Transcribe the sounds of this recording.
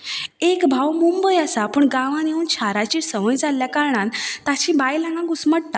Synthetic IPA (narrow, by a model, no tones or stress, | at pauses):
ekbʱawmumbəjasapəːɳɡãʋãnjeuːnt͡ɕʰaɾat͡ɕiːsəʋəjd͡zalːjakaɾɳant̪at͡ɕĩbajlãŋɡãɡusməɽt̪a